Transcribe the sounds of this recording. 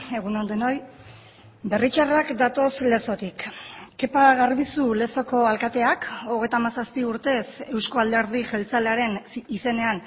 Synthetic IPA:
e̞ɣunond̪eno̞j | be̞rit͡ʃarakd̪at̪o̞sle̞so̞t̪ikːe̞paɣarβisule̞so̞ko̞alkat̪e̞ako̞ɣ̞e̞jt̪amasaspiuɾt̪e̞se̞wsko̞ald̪e̞ɾð̞iʝe̞lt͡saleaɾe̞nise̞ne̞an

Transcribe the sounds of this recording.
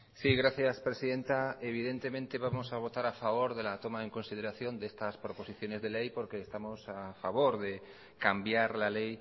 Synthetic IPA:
siɣ̞ɾaθjaspɾe̞siðe̞nt̪ae̞β̞ið̞e̞nt̪e̞mẽnt̪e̞βamo̞saβ̞o̞t̪aɾafaβ̞o̞ɾðe̞lat̪o̞mae̞ŋko̞nsið̞e̞ɾaθjo̞nd̪e̞st̪aspɾo̞po̞siθjo̞ne̞zðe̞le̞jpo̞ɾke̞ːst̪amo̞safaβ̞o̞ɾðe̞ | kambjaɾlale̞j

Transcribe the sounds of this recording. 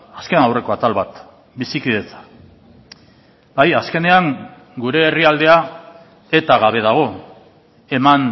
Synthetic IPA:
askenawre̞ko̞at̪alβat̪ | bisikiðe̞t͡sḁ | bajaske̞ne̞aŋ | ɡuɾe̞ːriald̪e̞a | e̞t̪aɣaβ̞e̞ð̞aɣ̞o̞ | e̞man

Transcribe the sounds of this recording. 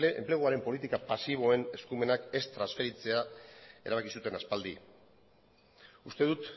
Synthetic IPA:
ḛmple̞ɣ̞uaɾe̞mpo̞lit̪ikapasiβ̞o̞e̞ne̞skume̞nake̞st̪ɾansfe̞ɾit͡se̞ae̞ɾaβakisut̪e̞naspald̪i | ust̪e̞ðut̪

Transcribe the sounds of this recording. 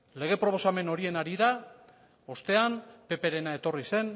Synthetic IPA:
le̞ɣ̞e̞pɾo̞o̞same̞no̞ɾie̞naɾiða | o̞st̪e̞ampe̞pe̞ɾe̞nae̞t̪o̞rise̞n

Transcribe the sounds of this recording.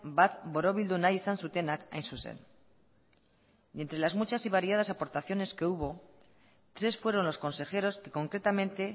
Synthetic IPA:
bat̪boɾoβild̪unajsansut̪e̞naka̰jnsusḛn | e̞nt̪ɾe̞lazmut͡ʃasiβ̞aɾiað̞asapo̞ɾt̪aθjo̞ne̞ske̞uβ̞o̞ | t̪ɾe̞sfwe̞ɾo̞nlo̞sko̞nse̞xe̞ɾo̞ske̞ko̞ŋkɾe̞t̪amẽ̞nt̪e̞

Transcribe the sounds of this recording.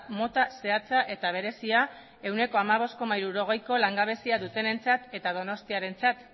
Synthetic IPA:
mo̞t̪ase̞at͡saʔe̞t̪aβ̞e̞ɾe̞sia | e̞wne̞ko̞amaβ̞o̞sko̞maiɾuɾo̞ɣ̞e̞jko̞laŋɡaβ̞e̞siaðut̪e̞ne̞nt͡sat̪e̞t̪að̞o̞no̞st̪iaɾe̞nt͡sat̪

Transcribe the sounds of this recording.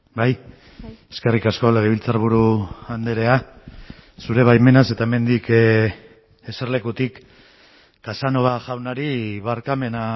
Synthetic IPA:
baj | e̞ske̞rikasko̞le̞ɣeβilt͡saɾβ̞uɾuand̪eɾe̞a | suɾe̞β̞ajme̞nase̞t̪aeme̞nd̪ik | e̞se̞ɾle̞kut̪ikː | asano̞βaʝawnaɾiβaɾkame̞na

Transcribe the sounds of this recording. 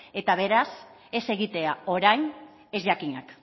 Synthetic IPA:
e̞t̪aβ̞e̞ɾas | e̞se̞ɣit̪e̞ao̞ɾajn | e̞zʝakiɲak

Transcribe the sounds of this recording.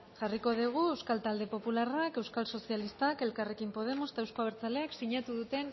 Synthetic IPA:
ʝariko̞ðiɣ̞ue̞wskalt̪ald̪e̞po̞pularake̞wskalso̞sialist̪ake̞lkare̞kimpo̞ð̞e̞moset̪ewsko̞aβeɾt͡sale̞aksiɲat̪uðut̪e̞n

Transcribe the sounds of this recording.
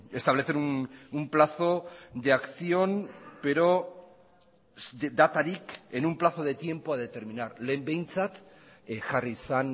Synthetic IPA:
e̞st̪aβ̞le̞θeɾunumplaθo̞d̪eakθio̞npe̞ɾo̞ | d̪at̪aɾike̞numplaθo̞ð̞e̞t̪je̞mpoað̞e̞t̪e̞ɾminaɾle̞ːmbe̞jnt͡sat̪ | ʝarisan

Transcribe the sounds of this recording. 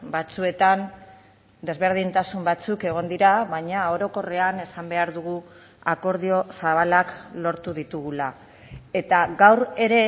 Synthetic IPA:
bat͡sue̞t̪an | d̪e̞zβe̞ɾð̞int̪asumbat͡suke̞ɣ̞o̞nd̪iɾaβaɲao̞ɾo̞ko̞re̞ane̞sambe̞aɾðuɣ̞u | ako̞ɾð̞io̞saβ̞alaklo̞ɾt̪uðit̪uɣula | e̞t̪aɡawɾe̞ɾe̞

